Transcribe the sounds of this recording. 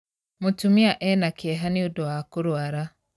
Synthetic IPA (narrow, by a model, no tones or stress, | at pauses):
mutumiaʔɛnakɛɦaniudɔwakuɾwaɾa